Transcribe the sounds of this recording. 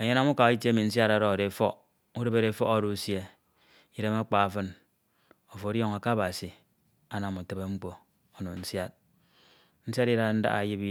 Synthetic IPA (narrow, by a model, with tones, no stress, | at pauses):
e˨ɲe˦na˦mu˦ka˨˦i˦tje˦mi˨n̩˦s̬ja˦ɾa˦ɾɔ˦˨ɾe˨fɔ˦ | u˦ɾe˦be˦ɾe˨˦fɔ˦ɣa˦˨ɾu˦sje˦ | i˦ɾe˦ma˦k͡pa˨fɨ˦n | o˨fo˨o˨˦jɔ˦ŋa˨ka˦ba˨si˨ | a˦na˨mu˨te˦be˦ŋ͡m̩˦k͡po˨ | o˦no˨n̩˦sja˦t̚ | n̩˦sja˦ti˦ɾa˦a˨n̩˦da̰˦a̰˨ji˦pi˦